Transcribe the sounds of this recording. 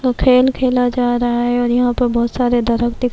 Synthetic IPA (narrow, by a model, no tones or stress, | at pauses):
okʰeːlkʰeːlad͡ʒaːɾɐɦaɦɛɔːɾjɐɦãpɐɾbɔːt̪saːɾed̪ɐɾəkd̪ɪk